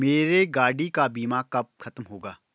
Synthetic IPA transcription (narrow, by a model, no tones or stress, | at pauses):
meːɾeɡaːɽikabiːmaːkɐp̚xʰɐt̪mɦoːɡaː